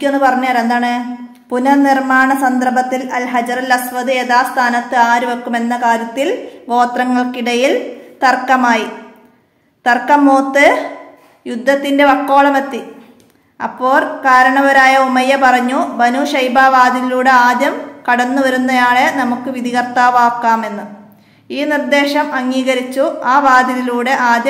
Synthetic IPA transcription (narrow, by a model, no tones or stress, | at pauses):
enːɨpɐrɐɲːuaːɾend̪aːɳɨ | punɐnirmaːɳɐsɐnd̪ɐrbʱɐt̪ːilɐlɦɐd͡ʑɐrɨlɐsʋɐðɨeðaːst̪ʰaːnɐt̪ːɨaːɾuʋɐkːume̞nːɐkaːɾjɐt̪ːilɡo̞ːt̪rɐŋːɐɭkiɽɐjilt̪ɐrkːɐmaːji | t̪ɐrkːɐmːoːt̪ːɨ | jud̪ʱːɐt̪ːinde̞ʋɐkːo̞ːɭɐmet̪ːi | ɐ̰pːo̞ːlkaːɾɐɳɐʋɐɾaːjɐomɐjɐpɐrɐɲːubɐnuːʂɐjbaːʋaːd̪ʱiniluːɽeaːd̪jɐmkɐɽɐnːuʋɐɾunːɐjaːɭenɐmukːɨʋid̪ʱikɐrt̪aːʋaːkːaːme̞nːu | iːnird̪e̞ːʂɐmɐŋːiːɣɐɾit͡ɕːuaːʋaːd̪ʱiðiluːɽe̞ʔaːd̪jɐ